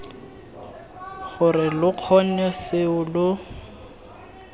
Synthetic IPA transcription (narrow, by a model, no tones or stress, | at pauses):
ɣʊrɪlʊq͡χʰɔn̩ɛsɪʊlʊ